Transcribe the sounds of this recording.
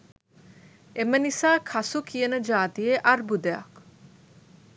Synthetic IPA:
emənisaːkʰasukijənəd͡ʒaːt̪ijeʔarbud̪əja̰k

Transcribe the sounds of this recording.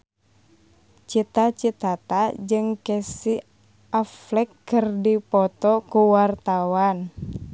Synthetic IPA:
t͡ʃit̪at͡ʃit̪at̪ad͡ʒɨŋkɛsi | aflɛkːɨrdipɔt̪ɔkuwart̪awan

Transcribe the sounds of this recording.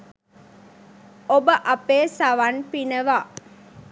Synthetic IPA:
obəʔɐpeːsɐʋɐnpinɐʋaː

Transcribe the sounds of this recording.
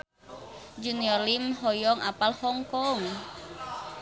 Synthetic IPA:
d͡ʒuniɔrlimɦɔjɔŋapalhɔŋkɔŋ

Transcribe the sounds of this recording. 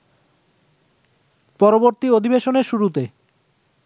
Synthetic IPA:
pɔɾoboɾt̪iod̪ʱibeʃoneɾʃuɾut̪e

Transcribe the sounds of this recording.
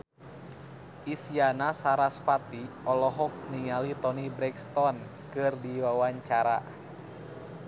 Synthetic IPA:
isianasaɾasfat̪i | ɔlɔɦɔk̚niŋalit̪ɔnibɾɛkst̪ɔn | kɨrdiwawaɲt͡ʃaɾa̰

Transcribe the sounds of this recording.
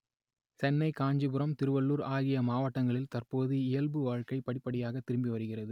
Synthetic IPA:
sɛnːɐɪkaːɲd͡ʒɯbɯɾɐmt̪ɪɾɯʋɐɭːuːɾaːɣɪjɐmaːʋɐʈːɐŋɡɐɭɪlt̪ɐrpoːðɯɪjɐlbɯʋaːɻkɐɪpːɐɽɪpːɐɽɪjaːɣɐt̪ːɪɾɯmbiʋɐɾɯɣɪrɐðɯ

